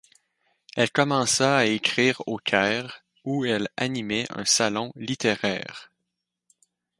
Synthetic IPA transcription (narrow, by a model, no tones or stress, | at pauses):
ɛlkɔmɑ̃saaekʲʁiːʁokʲʰɛːʁ | uɛla̰nimɛʔœ̰̃salɔ̃lit̪eʁɛ̰ːʁ